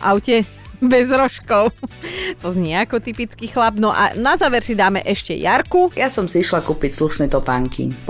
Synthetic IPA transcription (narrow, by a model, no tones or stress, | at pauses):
ʔaʊcɛ | bɛzɾɔʃkɔʊt̪ɔzɲɪɛakɔt̪ipit͡skixlabnɔʔa̰nazaːʋɛɾsid̪aːmɛʔɛʃcɛ̰jaɾkujasɔmsiiʃlakuːpicsluʃnɛt̪ɔpaŋkʰḭ